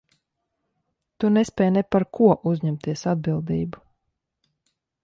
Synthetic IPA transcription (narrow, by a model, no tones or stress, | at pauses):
t̪unɛspʲɛːjnɛpaɾkʰuɔʔuzʲɲɛmt̪iɛsad̪̚bilˠd̪iːbu